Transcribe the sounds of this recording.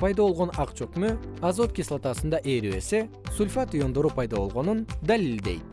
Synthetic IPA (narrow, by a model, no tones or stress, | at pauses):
pʰɑjd̪ɑβo̞lˠʁo̞nɑqt͡ʃokmøɑzot̪̚kʲislˠat̪ɑsɯnd̪ɑʔeːɾiβe̞̰se̞ | sulʲfat̪ujo̞nd̪o̞ɾupʰɑjd̪ɑβo̞lˠʁo̞nund̪alild̪e̞jt̪̚